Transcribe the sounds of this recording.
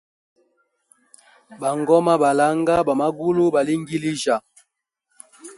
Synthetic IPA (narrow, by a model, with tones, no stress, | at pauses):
ba˨ŋɡɔ˦ma˦ba˨la˨˦ŋɡa˦ba˨ma˦ɡu˦lu˦ba˨li˦ŋɡi˦li˦ʒa˨